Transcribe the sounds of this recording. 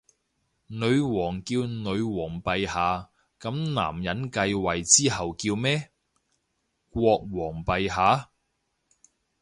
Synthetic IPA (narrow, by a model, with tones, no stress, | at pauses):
nɵ˨˧ɥwɔː˨˩ŋkiː˧wnɵ˨˧ɥwɔː˨˩ŋpɐ˨˧jhaː˨˧ | kɐ˨˧˥mna̰ː˨˩mjɐ˨˥nkɐ˧jwɐ˨jt͡siː˥ɦɐ˨wkiː˧wmɛː˥ | kʷɔː˧k̚wɔː˨˩ŋpɐ˨˧jɦaː˨˥